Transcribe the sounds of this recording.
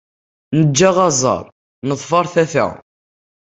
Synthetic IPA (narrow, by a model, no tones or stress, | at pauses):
nəd͡ʒːaʁɑzˤɑ̰ɾˤ | nəðˤfɑɾˤθæθæ̰